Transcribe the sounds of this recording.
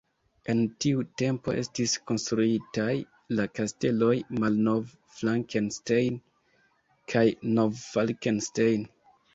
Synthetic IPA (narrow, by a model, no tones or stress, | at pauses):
e̞ntiute̞mpo̞̰ʔe̞̰stisko̞nst̪ɾuitaj | lakaste̞lo̞jmalno̞v | flaŋkenstejn | kʰajno̞vːalkenstejn